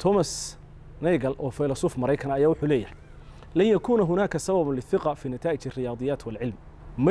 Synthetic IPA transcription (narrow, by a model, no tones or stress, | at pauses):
t̪ʰɔmɐs | nɛjɣɐlʔɔːfɐjlɐsuːfmɐɾɐjkʰɐnɐjaːwʊħuːlɛːjɐhɐj | lɐnjɐkʰuːnaɦʊnaːkʰɐsɐbɐβʊnlɪθɪqɑfiːnɪt̪ʰaːʔɪt͡ʃɪrɪjɑːðˤɨjaːt̪ʰwɐlʕɪlm | m